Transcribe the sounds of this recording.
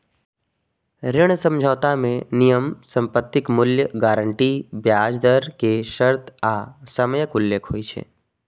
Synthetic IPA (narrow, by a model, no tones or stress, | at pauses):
ɾɪɽ̃sə̃md͡ʒʱəːt̪amẽnijəmsə̃mpət̪ːɪkmʊljəɡaːɾəɳʈibjaːd͡ʒd̪əɾkeʃəɾt̪ʰasəmjəkʊlːeːkʰɦo̰ːit͡ʃʰḛː